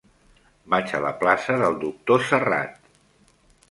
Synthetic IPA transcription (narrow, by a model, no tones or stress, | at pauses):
bat͡ʃə̰lə̰plasəðəlˠd̪uk̚t̪osəra̰t̪̚